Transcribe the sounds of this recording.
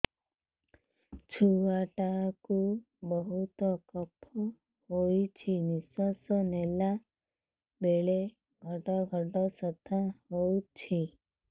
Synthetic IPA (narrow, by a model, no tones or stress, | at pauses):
t͡ʃʰuaʈaku | bɔɦut̪ɔkəpʰɔ | ɦojt͡ʃʰinisɔsɔnela | beɭe | ɡʱəʈɔɡʱəʈɔsət̪ʰaɦot͡ʃʰi